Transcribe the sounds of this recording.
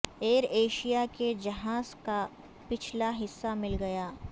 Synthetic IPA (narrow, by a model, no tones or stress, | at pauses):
eːɾeːʃijaked͡ʒɐɦaːzka | pɪt͡ʃʰlaɦɪsːamɪlɡɐjaː